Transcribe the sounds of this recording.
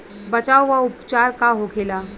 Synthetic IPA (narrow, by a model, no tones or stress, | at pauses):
bət͡ʃaːwʋaʊpt͡ʃaːɾkaɦokʰeːlaː